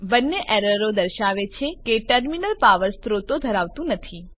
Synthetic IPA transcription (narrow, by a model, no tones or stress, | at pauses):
bənːeʔɛɾəɾod̪əɾʃaʋet͡ʃʰekeʈəɾminəlpaʋəɾst̪ɾot̪od̪ʱəɾaʋt̪ũnət̪ʰi